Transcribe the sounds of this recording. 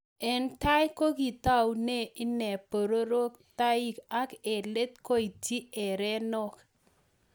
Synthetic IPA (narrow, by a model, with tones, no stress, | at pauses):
ɛ˨nta˦jko˦ki˨ta˦wne˦˨ɪ˦nɛ˨po˨ɾo˦ɾo˦k̚ta˦i˦ka˦kɛ˨le˦t̚ko˦i˨ti˦ɛ˨ɾɛ˦nɔ˦k